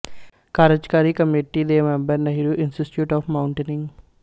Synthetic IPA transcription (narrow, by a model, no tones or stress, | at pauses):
kaːɾɐt͡ʃkaːɾikɐmiʈid̪eːmembɐɾnɐɦiɾuʔinsʈiʈjuːʈaːfʰmɐwɳʈeniŋɡ